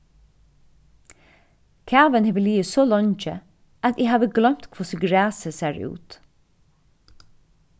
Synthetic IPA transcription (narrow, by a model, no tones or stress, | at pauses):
kʰæːʋənheːʋəliːəsoːlɔɲt͡ʃə̰ | at̪iːhaːʋəɡlœm̥t̪kʰvɔsəɡɹæːsəsæɹʉ̰ːt̪